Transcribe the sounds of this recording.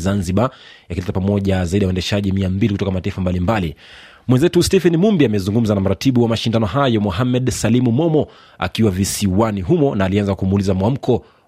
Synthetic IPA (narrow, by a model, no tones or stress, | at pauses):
zanziɓa | jakilɛtapamɔʄazaiɗiauɛndɛʃaʄimiambilikutɔkamataifambalimbali | mwɛnzɛtustɛfɛnimumbiamɛzuŋɡum̩zanam̩ɾatiɓuwamaʃindanɔɦajɔmɔɦamɛɗsalimumɔmɔ | a̰kiwavisiwaniɦumɔnaːlianzakumulizamwam̩kɔ